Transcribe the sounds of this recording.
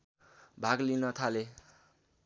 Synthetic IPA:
bʱaɡlinʌt̪ʰale

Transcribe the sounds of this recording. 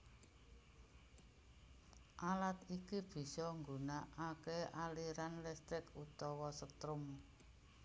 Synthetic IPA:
ʔalat̪ikib̥i̤sɔŋɡunaʔakeʔaliɾanlɛst̪ɪkut̪ɔwɔsət̪ɾʊm

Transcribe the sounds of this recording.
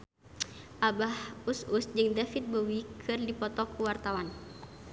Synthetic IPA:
ʔabahususd͡ʒɨŋdafit̪̚bowikʰɨrdipɔt̪ɔkʰuwart̪awan

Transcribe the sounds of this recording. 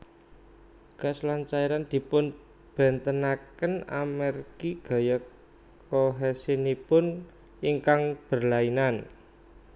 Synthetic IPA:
kaslant͡ʃaiɾand̪̥i̤pʊn | b̥ɛ̤nt̪ənakəna̰mɛrɡiɡ̥a̤ja | koɦɛsinipʊn | iŋkaŋb̥ə̤rlainan

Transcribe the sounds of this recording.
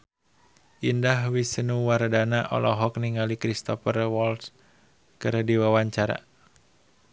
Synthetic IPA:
ʔindaɦwisənuwardanaʔɔ̰lɔɦɔkniŋalikɾist̪ɔfərwɔls | kərdiwawaɲt͡ʃaɾa̰

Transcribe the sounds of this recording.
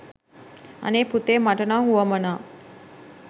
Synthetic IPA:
a̰neput̪eːmaʈənaŋɦuʋəmənaː

